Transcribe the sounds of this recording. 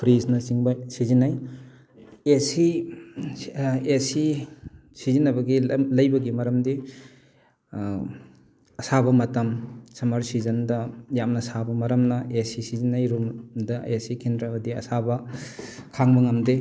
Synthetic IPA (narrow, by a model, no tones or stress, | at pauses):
pʰɾisnɐsiŋbɐsizinːaj | esi | esi | sizinːɐbɐɡilɐjbɐɡimɐɾɐmdi | ɐsabɐmɐtɐmsɐmɐɾsizɐndɐjamnɐsabɐmɐɾɐmnɐesisizinːajɾumdɐesikʰindɾɐbɐdiɐ̰sabɐ | kʰaŋbɐŋɐmde